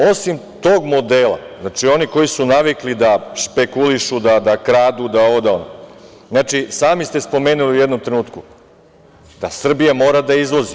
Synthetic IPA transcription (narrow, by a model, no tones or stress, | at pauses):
o̞simt̪o̞ːɡmo̞d̪eːlˠa̰znat͡ʃio̞niko̞jisunaʋiklid̪aʃpe̞kuliʃud̪ad̪akɾaːd̪ud̪aood̪aono̰ | znaːt͡ʃisaːmist̪e̞spo̞me̞ːnuliujed̪nomt̪ɾenuːt̪ku | d̪̥asr̩bijamo̞ːɾad̪aizlˠozi